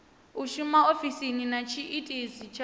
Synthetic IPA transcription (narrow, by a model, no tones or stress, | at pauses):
uʃumaofisininat͡ʃʰiʔitʼezit͡ʃʰa